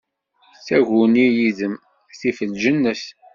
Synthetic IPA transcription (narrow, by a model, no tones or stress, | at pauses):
t͡sːæʝunijiðəm | θifəlʒənːəs